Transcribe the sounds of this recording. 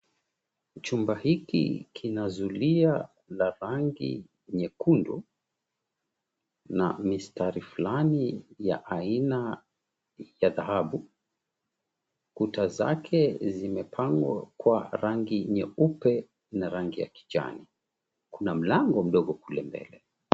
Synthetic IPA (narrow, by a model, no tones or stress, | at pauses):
t͡ʃumbahikḭkʰinazulia | laɾaŋɡḭ | ɲɛkundu | na̰mistaɾifulanija̰ʔaina | jaðahaɓu | kutaza̰kʰɛzimɛpʰaŋɡwakwaɾaŋɡiɲɛupɛ | naɾaŋɡija̰ki̥d͡ʒa̰ni | kunam̩laŋɡɔm̩ɗɔɠɔkulɛmbɛ̰lɛ